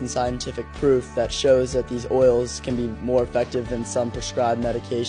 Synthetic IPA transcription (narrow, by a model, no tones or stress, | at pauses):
n̩saɪɨ̃ntʰɪfɨk̚pʰɹ̥ʉfðɨtʃoʊzðɨt̪̚ðizɔɪlˠz̥kʰɨ̃nbimɔɹɨfɛk̚tɨvðɨ̃nsʌ̃mpʰɹ̥ɨskɹaɪbmɛɾɨkʰeɪʃ